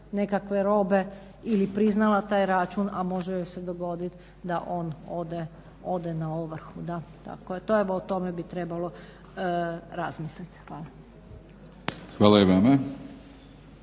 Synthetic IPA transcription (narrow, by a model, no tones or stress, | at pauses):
ne̞kakʋe̞ɾo̞be̞ | ilipɾiznalat̪aːjɾat͡ʃunamo̞ʒejosed̪oɡo̞d̪it̪ | d̪aʔo̞ːnod̪e | od̪enaoʋr̩xud̪at̪a̰kojet̪oeʋoot̪o̞mebit̪ɾe̞balo̞ | ɾazmislit̪xʋaːlˠa | xʋaːlaiʋeme